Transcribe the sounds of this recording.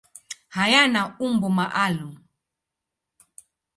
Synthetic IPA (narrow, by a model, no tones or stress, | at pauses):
hajanaumbɔmaʔalu